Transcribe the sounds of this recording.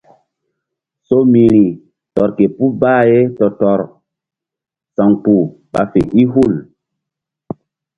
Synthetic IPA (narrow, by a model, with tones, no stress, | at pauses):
so˦mi˨ɾi˨ | tɔ˨ɾke˨pu˦baː˦je˦tɔ˨tɔ˨ɾ | sa˨ŋpu˨ | ɓa̰˨fḛ˨ʔi˦ɦu˦˨l